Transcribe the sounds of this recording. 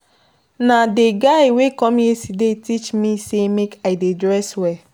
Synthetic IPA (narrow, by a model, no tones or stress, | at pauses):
nadeɡaɪwekɔ̃mjesidetit͡ʃmisemekaɪdedɹɛswɛ